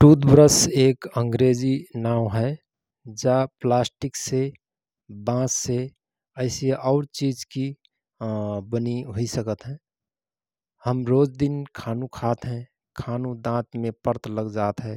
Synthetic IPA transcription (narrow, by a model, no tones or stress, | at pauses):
ʈuːd̪bɾəseːkə̃ŋɡɾeːd͡ʒinaːwɦɛ | d͡ʒaplaːsʈɪkse | bãːsse | əɪseʔɔːɾt͡ʃiːd͡ʒki | bəniɦoisəkət̪ɦɛ̃ː | həmɾoːd͡ʒd̪ɪnkʰaːnũkʰaːt̪ɦɛ̃ | kʰaːnũd̪ãːt̪mẽpəɾt̪ləɡd͡ʒaːt̪ɦɛː